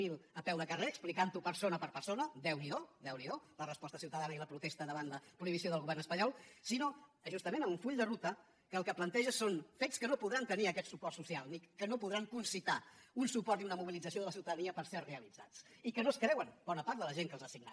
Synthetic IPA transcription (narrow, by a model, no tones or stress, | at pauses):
ilˠəpɛwðəkəreəksplikant̪upəɾsonəpəɾpəɾsonəd̪ɛwniðoðɛwniðolərəspɔst̪əsiwt̪əðanəiləpɾut̪est̪əðəβanləpɾuiβisioðəlˠɣuβɛrnəspəɲɔlˠsinoʒust̪əmenəuɱfuʎd̪ərut̪ə | kəːlˠkəplənt̪ɛʒəsonfeskənopuðɾant̪əniəkɛt̪supɔrt̪susialˠnikənopuðɾaŋkunsit̪aunsupɔɾt̪iunəmuβilid͡zəsioðələsiwt̪əðəniəpəɾserreəlid͡za̰t͡s | ikənoskɾɛwənb̥ɔnəpaɾðələʒeŋkəlzðəsiɡna̰